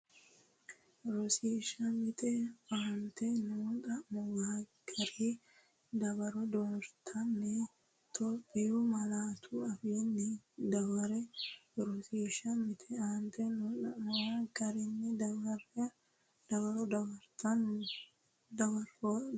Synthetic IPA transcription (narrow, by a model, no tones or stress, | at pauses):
ɾɔsiːʃɐmɪt̪ʼɛaːnt̪ɛnuːt̪ɐmɔwaːɡ̥ɐɾi | d̪ɐbɐɾɔd̪ɔɾt̪ʰɐnːɛ | t̪ʰɔpʼːɪjumɐlaːt̪ʰuɐfiːnːɛd̪ɐwɐɾɛɾɔsiːʃɐmɪt̪ʰʼɛaːnt̪ʰɛnuɐmɔwaɡɐɾɪnːɪd̪ɐɐɾ | d̪ɐbɐɾɔd̪ɐbɐɾt̪ɐn | d̪ɐbɐɾo